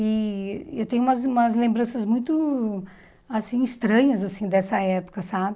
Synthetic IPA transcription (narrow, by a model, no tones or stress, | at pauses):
iewt̪ẽɲʊũmɐzũmɐzlẽmbɾɐ̃sɐzmũj̃t̪ʊ | asĩist̪ɾɐ̃ɲɐzasĩd̪ɛsɐɛpʊ̥kɐsabɪ